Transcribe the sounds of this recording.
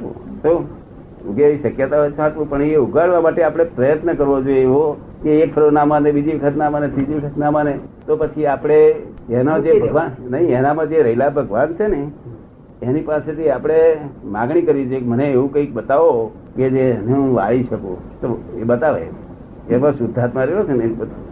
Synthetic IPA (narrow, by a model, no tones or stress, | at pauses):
ṵ̃t̪o | uɡeʋiʃəkjət̪aɦot͡ʃʰat̪ʋũpəɳeuɡaɭʋamaʈeapəɽ̃epɾəjət̪nəkəɾʋod͡ʒojeeʋo | keekfʰəɾonamãnebid͡ʒiʋəkʰət̪namanet̪ɾid͡ʒiʋəkʰət̪namãnet̪opət͡ʃʰiapɽ̃eenod͡ʒebʱəɡʋannəɦĩenamãd͡ʒeɾəɦilabʱəɡʋant͡ʃʰeneː | nipaset̪ʰiapəɽ̃emã̰ɡɽ̃ikəɾʋid͡ʒojekeməneeʋũkə̃ik̚bət̪aʋo | ked͡ʒeəneɦũʋa̰ɭiʃəkṵ̃ | t̪oebət̪aʋḛ | emãsʊd̪ʱːat̪mãɾeɦot͡ʃʰenəĩbət̪a